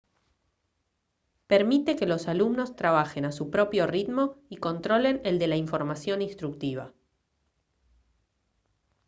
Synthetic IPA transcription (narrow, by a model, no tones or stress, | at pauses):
peɾmit̪e̞ke̞lo̞salumno̞st̪ɾaβ̞axe̞nasupɾo̞pjo̞rit̪mo̞iko̞nt̪ɾo̞le̞neld̪e̞laiɱfo̞ɾmasjo̞ninst̪ɾuk̚t̪iβ̞a̰